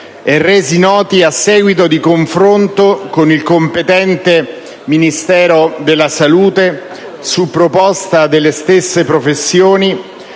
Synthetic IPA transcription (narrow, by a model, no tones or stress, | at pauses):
erːeːzinɔːt̪iasːɛːɡwit̪̬od̪ikoɱfɾont̪okonilkompet̪ɛnt̪e | minist̪ɛːɾod̪elːasaluːt̪e | supːɾopɔst̪ad̪elːest̪esːepɾofesːjoːni